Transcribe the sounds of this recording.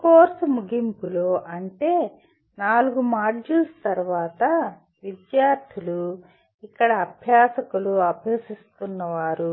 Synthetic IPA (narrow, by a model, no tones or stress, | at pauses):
koːɾsɐmuɡimpuloːʔɐɳʈe̞ː | naːluɡumaːɾd͡ʒilst̪ɐɾuʋaːt̪ɐ | ʋid̪jaːɾt̪ʰilu | ikːɐɽɐːbʱjaːsɐkuluɐbʱjeːsist̪unːɐʋaːɾu